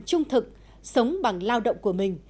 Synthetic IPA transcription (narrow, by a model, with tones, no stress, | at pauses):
t͡ɕʊ˧ŋ͡mt̪ʰɨ˨˩k̚ | sə˨˦wŋ͡mɓa˨˩ŋlaː˧wɗə̰˧˨wŋ͡mku˧˩əmï˨˩ŋ̟